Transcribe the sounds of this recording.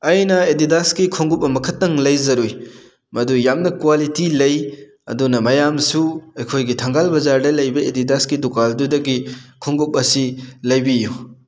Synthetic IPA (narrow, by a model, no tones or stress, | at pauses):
ɐjnɐedidaskikʰoŋɡup̚ːɐmɐkʰɐtːɐŋlɐjzɐɾuj | mɐdujamnɐkuwalitilɐj | ɐ̰dunɐmɐjamsuɐjkʰojɡitʰɐŋɡalbɐzaɾdɐlɐjbɐedidaskidukaldudɐɡikʰoŋɡup̚ɐsilɐjbiju